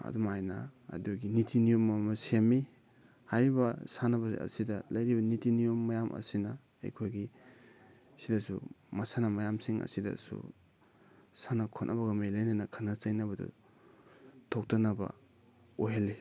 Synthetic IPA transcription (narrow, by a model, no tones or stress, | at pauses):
ɐ̰dumajna̰ːduɡinitʰinijomːmasemi | hajɾibɐsanɐbɐɐ̰sidɐlɐjɾibɐnitinijomːajamʔɐ̰sinɐ̰ː | jkʰojɡi | sidasṵmasanamajamsiŋɐ̰sidɐ̰sṵ | sanakʰonʔa̰bɐɡɐmejlajnanɐkʰanat͡ʃajnɐbɐdṵ | tʰok̚tanɐbɐ̰ | oɦele